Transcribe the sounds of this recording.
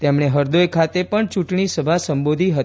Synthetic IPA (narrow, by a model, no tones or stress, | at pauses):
t̪emɳeɦəɾd̪ojkʰat̪epəɳt͡ʃũʈɳisəbʱasəmbod̪ʱiɦət̪